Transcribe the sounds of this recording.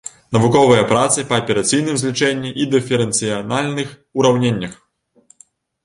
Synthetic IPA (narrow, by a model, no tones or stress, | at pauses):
nɐvukɔvɨjɐpɾat̪sɨpɐːpʲɛɾat̪sɨjnɨmzʲlʲit͡ʂɛnʲːiʔid̪ɨfʲɛɾɛnt̪sɨjanalʲnɨx | uɾawnʲenʲːɐx